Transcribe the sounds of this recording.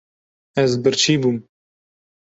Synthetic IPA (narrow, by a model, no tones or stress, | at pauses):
ɛzbɨɾt͡ʃʰiːbuːm